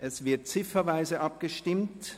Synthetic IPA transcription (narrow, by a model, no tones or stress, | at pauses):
ʔɛsv̥ɪɐt̚t͡sɪfɐvaɪzəʔɑp̚ɡ̥əʃtɪmt